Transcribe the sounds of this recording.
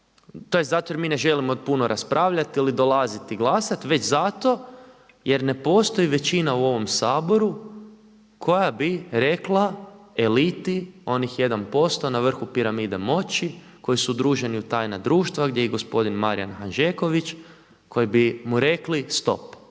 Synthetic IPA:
t̪ojeszat̪ojemine̞ʒe̞limod̪punoɾʔaspɾʔaːʋʎat̪ilid̪o̞lazit̪iɡlˠasat̪ʋe̞t͡ʃzat̪o̞ | je̞ɾne̞po̞st̪o̞jiʋe̞t͡ɕinauo̞ʋo̞msaːbo̞ɾu | kʰo̞jabiɾe̞klˠaelit̪io̞nixje̞d̪anpo̞st̪o̞naʋr̩xupiɾamid̪emo̞t͡ɕi | ko̞jisud̪ɾuːʒe̞niut̪ajnad̪ɾuːʃt̪ʋaɡd̪ʲjeiɡo̞spo̞d̪inmaɾija̰nxanʒeko̞ʋit͡ʃ | kʰo̞jibimuɾe̞klist̪o̞̰p

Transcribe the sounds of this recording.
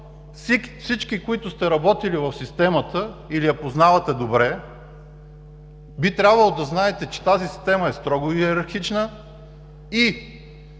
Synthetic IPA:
sfsit͡ʃkikʊit̪ʊst̪ɛɾɐbɔt̪ilivɐfsist̪ɛmət̪əilijɐpoznavɐt̪ɛd̪obɾɛ | bit̪ɾʲabvəlˠod̪ɐznaɛt̪ɛt͡ʃɛ̥t̪azisi̥st̪ɛməɛst̪ɾɔɡʊiɛɾɐɾxit͡ʃnə | i

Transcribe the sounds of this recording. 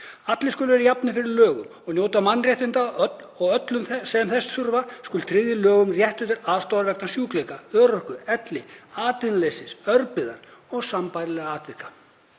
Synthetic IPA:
at̪lɪskʏlvɛɾajapnɪfɪɾɪɾlœːɣʏmɔɣnjoːwt̪amanːrjɛht̪ɪnt̪a | ɔɣœt̪lʏmθsɛmθɛsθʏɾvaskʏlt̪ʰɾɪðjɪlœːɣʏmrjɛht̪ʏt̪ɪɾaːðst̪awaɾvɛknasjuːklejkaœːɾœhkʏɛt̪lɪaːt̪ɪnlesɪsœɾpɪða̰ɾɔɣsampajɾlɛːɣaaːt̪vɪhkḁ

